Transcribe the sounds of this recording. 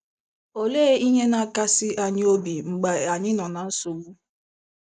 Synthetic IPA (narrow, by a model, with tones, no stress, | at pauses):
o˨leː˦i˦ɲe˦na˨˦ka˦sɪ˦ʔa˨ɲɪ˦o˦bi˨ŋ͡m̩˨ɡ͡ba˨a˨ɲɪ̃˦nɔ̃˨nã˨˦n̩˦so˨ɡ͡bu˦